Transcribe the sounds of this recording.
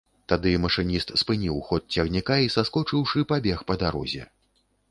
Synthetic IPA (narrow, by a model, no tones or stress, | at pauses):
t̪ad̪ɨmɐʂɨnʲist̪spɨnʲiwxɔt̪̚t͡sʲɐɣnʲikaisaskɔt͡ʂɨwʂɨpabʲɛxpɐd̪aɾɔ̰zʲɛ̰